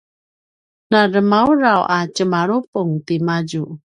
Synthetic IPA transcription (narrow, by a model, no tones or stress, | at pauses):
naɾəmauɾawʔat͡ʃəmaɾupuŋt̪imad͡ʒu